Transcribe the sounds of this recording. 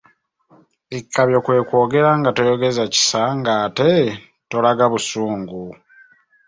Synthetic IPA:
ikʰːaβjo̞kwe̞ːkwo̞ːɡe̞ɾaŋɡatojo̞ɡe̞zaci̥saŋɡaːte̞ | to̞laɡaβusuːŋɡu

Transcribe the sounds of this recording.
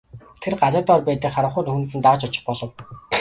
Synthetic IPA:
t̪ʰerɢat͡sə̆t̪ɔrpæːt̪ɘ̆kχaɾə̆ɴχʊːt̪ɵxunt̪ɘ̆nt̪aʁə̆t͡ɕɔt͡ɕɪ̆χpɔɮɞ̆w

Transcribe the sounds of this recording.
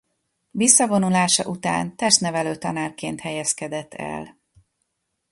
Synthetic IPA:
visːɒvo̞nulaːʃɒ̰ʔut̪a̰ːnt̪ɛʃt̪nɛvɛløːt̪ɒnaːrkeːnt̪hɛjɛskɛd̪ɛt̪ːɛ̰l

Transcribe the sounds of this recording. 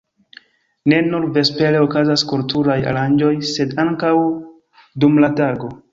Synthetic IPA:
ne̞nuɾve̞spe̞le̞okazaskultuɾaja̰ɾand͡ʒo̞jse̞daŋkaw | dumlataɡo̞

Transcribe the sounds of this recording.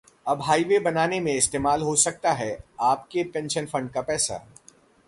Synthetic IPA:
ɐbɦaːiʋebɐnaːnemẽɪst̪eːmaːlɦosɐk̚t̪aɦɛaːpkepɛ̃ːnʃənfɐ̃ɳɖkapɛːsa̰

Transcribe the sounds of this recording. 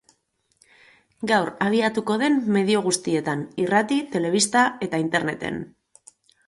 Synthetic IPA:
ɡawɾaβ̞iat̪uko̞ð̞e̞mːe̞ð̞io̞ɣ̞ust̪ie̞t̪anirat̪it̪e̞le̞β̞ist̪ae̞t̪aint̪e̞ɾne̞t̪e̞̰n

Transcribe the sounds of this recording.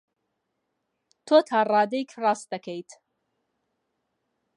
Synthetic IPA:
t̪ʰoːt̪ʰaːrˤɑːd̪ejkʰrɑːst̪̚d̪ɐkʰejt̪ʰ

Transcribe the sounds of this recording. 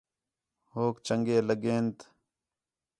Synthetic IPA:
hoːkt͡ʃəŋɡeːləɡeːnt̪

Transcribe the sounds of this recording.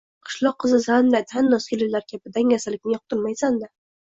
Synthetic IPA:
qʰɨ̥ʃlˠɒqʰːɨzɪzanlat̪ʰanːɒsɡʲɪlɪlːaɾkʲʰapɪd̪aŋʲasalɪkʲnɪjɒq̚t̪ʰʊɾmajsand̪a

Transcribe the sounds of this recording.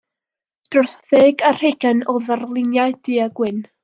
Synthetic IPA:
d̥rʊrθðeːɡar̥heɡɛnoðarlˠɪnjajd̥iːaɡ̥wɪn

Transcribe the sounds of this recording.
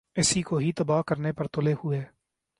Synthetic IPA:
ɪsikoɦit̪ɐbaːkəɾnepɐɾt̪ʊlehʊeː

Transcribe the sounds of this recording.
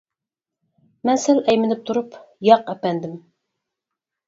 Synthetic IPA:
mɛnsɪlɛjmɪnɪp̚t̪ʰuɾupjɑqɛpɛnd̪ɪm

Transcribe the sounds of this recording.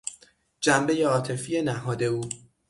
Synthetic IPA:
d͡ʒæmbe̞je̞ɒːt̪ʰe̞fiːe̞næɦɒːd̪e̞uː

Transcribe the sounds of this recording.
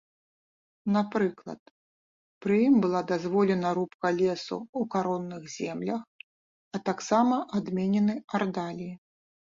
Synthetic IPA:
napɾɨklˠɐ̰t̪̚ | pɾɨjimbɨlˠad̪azvɔlʲɛnɐɾupkɐlʲɛsṵukaɾɔnːɨɣzʲɛmlʲɐx | ɐt̪aksamɐʔad̪mʲɛnʲɛnɨard̪alʲiji

